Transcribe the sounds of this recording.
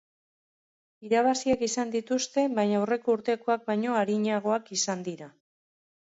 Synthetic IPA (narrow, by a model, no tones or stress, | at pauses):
iɾaβ̞asiakisand̪it̪ust̪e̞bajɲawre̞ko̞uɾt̪e̞ko̞ak̚bajɲo̞aɾiɲaɣ̞o̞akisand̪iɾa